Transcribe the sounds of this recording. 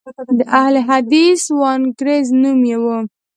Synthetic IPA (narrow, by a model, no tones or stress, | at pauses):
d̪əʔahleɦad̪iswɑnɡɾeznumjewu